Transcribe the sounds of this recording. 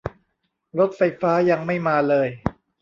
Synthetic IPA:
ɾo˦˥t̪̚fa˧jfaː˦˥ja˧ŋma˥˩jmaː˧lɤː˧j

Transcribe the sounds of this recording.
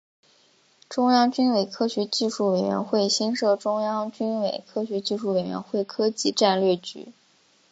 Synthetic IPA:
ʈ͡ʂʊ˥ŋjɑ˥ŋt͡ɕy˥nwe˨˩ɪkʰɤ˥ɕɥɛ˧˥t͡ɕi˥˧ʂu˥˩we˨˩ɪɥɛ̰˧˥nxwe˥˩ɪɕi˥nʂɤ˥˩ʈ͡ʂʊ˥ŋjɑ˥ŋt͡ɕy˥nwe˨˩ɪkʰɤ˥ɕɥɛ˧˥t͡ɕi˥˧ʂu˥˩we˨˩ɥɛ̰˧˥nxwe˥˩ɪkʰɤ˥t͡ɕi˧˥ʈ͡ʂa˥˧nlɥɛ˥˩ɪt͡ɕy̰˧˥

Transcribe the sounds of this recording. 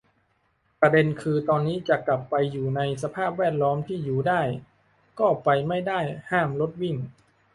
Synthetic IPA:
pɾa˧de˧nkʰɯː˧t̪ɔː˧nːiː˦˥t͡ɕa˨˩kla˨˩pːa˧jːuː˨˩na˧js̬a˧pʰaː˥˩p̚wɛː˥˩t̪̚lɔː˦˥mt̪ʰiː˥˩juː˨˩daː˥˩j | kɔː˥˩pa˧jma˥˩jdaː˥˩jhaː˥˩mlo˦˥t̪̚wi˥˩ŋ

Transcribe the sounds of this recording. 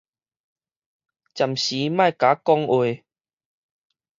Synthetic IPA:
t͡ɕja˨˩mɕi˨˦mã˥˧˨jka˨˦kɔ˧ŋwe˨˩

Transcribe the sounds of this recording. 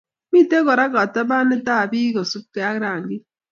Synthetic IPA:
mi˦˨te˦kɔ˨ɾa˦ka˨ta˦ba˦nɪ˦ta˦˨biː˦kɔ˨su˦p̚ke˨a˦kɾa˨ŋɡi˦

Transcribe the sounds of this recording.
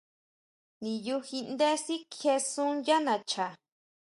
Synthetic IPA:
nĩ˨ju˧hi˧nd̪e˦si˦kʰe˧sũ˦ja˦nã˨˧t͡ʃa˨

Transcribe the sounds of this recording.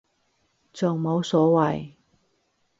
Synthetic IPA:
t͡so˨ŋmo˨˧˥wsɔː˨˥wɐ˨j

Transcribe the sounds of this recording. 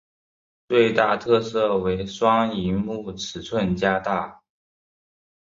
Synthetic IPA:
t͡swe˥˧ɪt̪a˥˧t̪ʰɤ˥˧sɤ˥˩we˧˥ɪʂwɑ˥ŋi˧˥mu˥˩ʈ͡ʂʰɻ̩˨˥t͡sʰwə˥˩nt͡ɕja˥t̪a˥˩

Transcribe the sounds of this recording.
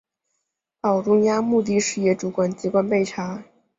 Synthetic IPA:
ɑ˨˩ʊʈ͡ʂʊ˥ŋja˥mu˥˧t̪̬i˥˧ʂɻ̩˥˧jɛ˥˩ʈ͡ʂu˧˥kwa˨˩nt͡ɕi˧˥kwa˥npe˥˩ɪʈ͡ʂʰa˧˥

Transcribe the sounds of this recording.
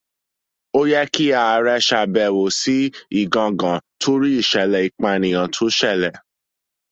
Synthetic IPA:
o˦jɛ˦ki˦a˦˨˧ɾɛ˧ʃa˧˨bɛ˨wo˨si˦i˦˨ɡã˧ɡã˨tʰo˦ɾi˦i˦˨ʃɛ˨lɛ˨i˨k͡pa˧nĩ˨ã˨˧tʰo˦ʃɛ˦˨lɛ˨

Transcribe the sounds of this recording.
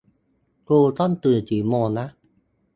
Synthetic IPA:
ko˧˩t̪ɔ˥nt̪ɨ˨˩ə˨t͡ɕi˨˦mɔ˧˩na˦

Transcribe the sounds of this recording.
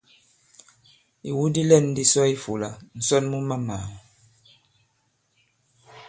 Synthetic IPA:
i˨wu˦di˦lɛ˦˨n˦di˦sɔ˦i˦fu˨la˨n̩˨sɔ˦nmu˦ma˦ma˨

